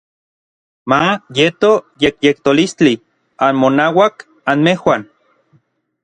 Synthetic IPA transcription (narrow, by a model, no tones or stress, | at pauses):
majet̪ojekjek̚t̪olist͡ɬi | anmonawak | anmehwan